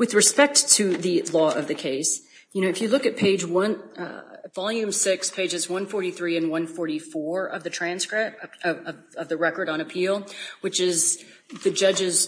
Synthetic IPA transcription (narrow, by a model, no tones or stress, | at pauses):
wɨðɹɨspɛk̚tʰɨðɨlɔʌvðɨkʰeɪs | jɨnoʊɨfjɨlʊkɨt̚pʰeɪd͡ʒwʌ̃n | v̥ɑlˠjʉ̃msɪkspʰeɪd͡ʒɨzwʌ̃nfɔɹɾiθɹiɨ̃nwʌ̃nfɔɹɾifɔɹʌ̰vðɨtʰɹ̥æ̃nskɹɪʌʌvʌvðɨɹɛkə˞ɾn̩ɨpʰilˠwɨt͡ʃɪz | ðɨd͡ʒʌd͡ʒɪz̥